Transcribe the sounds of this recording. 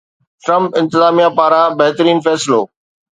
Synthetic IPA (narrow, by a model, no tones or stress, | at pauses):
ʈɾɐ̃mpɪ̃nt̪ɪzaːmijapaːɾãbɐɦt̪əɾiːnfɛːsɪloː